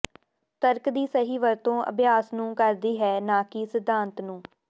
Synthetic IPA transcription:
t̪əɾkd̪iːsəɦiːʋəɾt̪õːʔə̰bjaːsnũːkəɾd̪iːɦɛːnãːkɪsɪd̪ʱːãːnt̪nũː

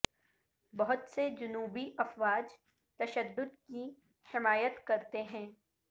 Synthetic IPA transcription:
bɐɦʊt̪sed͡ʒʊnuːbiʔɐfʋaːd͡ʒ | t̪ɐʃəd̪ːʊd̪ki | hɪmaːjət̪kɐɾt̪eɦɛ̃ː

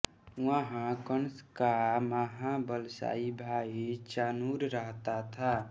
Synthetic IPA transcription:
wəɦãkənskamaɦãbəlsa̰ibʱait͡ʃanuɾɾəɦt̪at̪ʰa

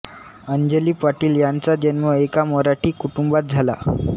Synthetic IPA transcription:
əɲd͡ʑeliːpaʈiːljant͡sad͡ʑənməekamɔɾaʈʰiːkuʈumbat̪̚d͡zʱala

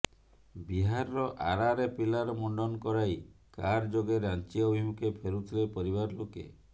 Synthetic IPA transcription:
biɦaɾɾɔʔaɾaɾepilaɾɔmɔɳɖɔnɔkɔɾajkaɾd͡ʒoɡeɾant͡ʃiɔbʱimukʰepʰeɾut̪ʰɾepɔɾiβaɾlokḛ

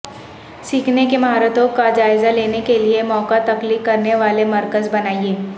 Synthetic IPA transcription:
siːkʰnekemʱaːɾət̪õkad͡ʒaːɪzaleːnekeliemɔːkat̪ɐkliːkːɐɾneʋaːlemɐɾkəzbɐnaːieː

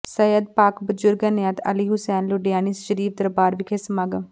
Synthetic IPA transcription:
səjəd̪̚paːkbəd͡ʒʊɾɡənjat̪ə̰liɦʊsɛːnlʊɖijaːnisʃəɾiːfd̪əɾbaːɾʋɪkʰeːsəmaɡəm

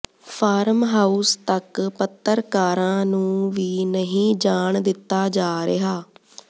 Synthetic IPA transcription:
pʰaːɾmɦaːust̪əkpət̪ːəɾkaːɾãːnũːʋiːnəɦĩːd͡ʒaːɳd̪ɪt̪ːaːd͡ʒaːɾeɦaː

